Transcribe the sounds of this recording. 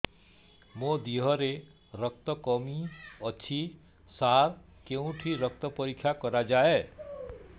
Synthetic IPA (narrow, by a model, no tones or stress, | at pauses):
mod̪iɦɔɾe | ɾəkt̪ɔkɔmiɔt͡ʃʰi | saɾ | keũʈʰiɾək̚t̪ɔpɔɾikʰjakɔɾad͡ʒae